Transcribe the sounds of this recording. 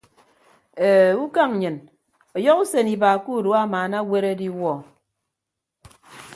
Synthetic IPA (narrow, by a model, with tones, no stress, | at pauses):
e˨u˦ka˦ŋ˨ɲɨ˨n | ɔ˨jɔ˦ku˦se˨ni˨baː˨ku˦˨du˦a˦˨maː˨na˦we˦ɾe˦di˦wɔ˦˨